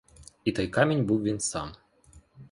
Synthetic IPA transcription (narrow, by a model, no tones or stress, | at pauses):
it̪ɔjkamʲenʲbɨwvʲinsa̰m